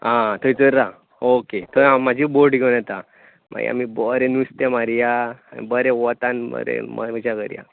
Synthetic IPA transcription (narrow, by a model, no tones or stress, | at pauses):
ãt̪ʰojt͡səɾːa | oket̪ʰoamːad͡ʑiboɾɖɡʱewnat̪a | mʔa̰ɡḭa̰mibɔɾẽnust̪ẽmaɾijaːmḭbəɾẽʋɔt̪anb̰ɾḛməd͡ʑaɡəɾja̰